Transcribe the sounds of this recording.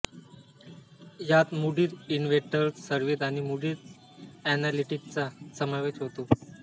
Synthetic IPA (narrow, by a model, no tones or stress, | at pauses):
jat̪muɖiːɾinʋeʈəɾssəɾʋiːt̪aɽ̃imuɖiːɾ | ænaliʈikt͡sasəməɾʋet͡ɕɦot̪o